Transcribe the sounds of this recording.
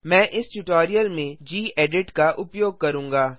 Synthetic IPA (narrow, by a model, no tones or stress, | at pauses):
mɛ̃ːʔɪsʈuʈoːɾijəlmẽd͡ʒiːɛːɖɪʈkaʔʊpjoːɡ̚kɐɾũːŋɡaː